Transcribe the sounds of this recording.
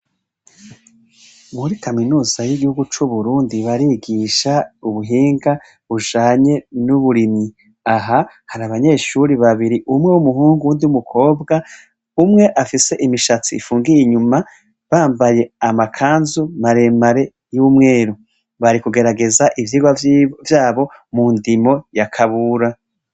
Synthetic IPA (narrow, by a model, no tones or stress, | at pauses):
muɾikaminuːz̥ajiɡihuɡut͡ʃuβuɾuːndiβaɾiɡiʃauβuɦiːŋɡa | βuʒaːɲe̞nuβuɾimi | aɦa | haɾaβaɲe̞ːʃuɾiβaβiɾiʔumŋewumuhuːŋɡuuːndiwumukʰo̞ːbɡa | umŋe̞ʔafise̞ʔimiʃat͡siːfuːŋɡijiɲuma | βaːmbaje̞amakʰaːnzumaɾe̞maɾe̞ | jumŋe̞ːɾu | βaɾikuɡe̞ɾaɡe̞zaʔivjiːɡwavjaːβo̞ | mundimo̞jakʰaβuːɾa